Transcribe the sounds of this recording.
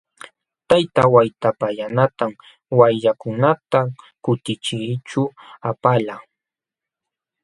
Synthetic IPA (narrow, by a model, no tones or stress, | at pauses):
t̪ajt̪awajt̪apajanat̪am | wajʎakʊnat̪a | kʊt̪ɪt͡ʃɪt͡ʃʊapala